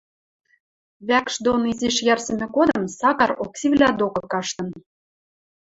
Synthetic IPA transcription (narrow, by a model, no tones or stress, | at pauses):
βækʃd̪oniziʃjɑrsə̆mʲĕkod̪ɤ̆msɑkɑɾoksʲiβlʲæd̪okɤ̆kɑʃt̪ɤ̆n